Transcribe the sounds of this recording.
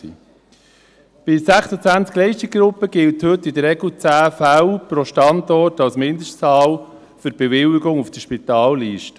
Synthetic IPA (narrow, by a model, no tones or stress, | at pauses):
b̥ɪsæχsət͡sʋænt͡sklɛɪʃtikɡɾʊpːəɡ̥ɪlthɵtɪd̪əɾɛɡlut͡sæːfæwpɾoʃtɑnd̪ɔrtɑwsmɪnd̪əʃt͡sɑːl | fʏɾb̥eʋɪlɪɡʊŋufd̥əʃpitɑːlːiːʃtə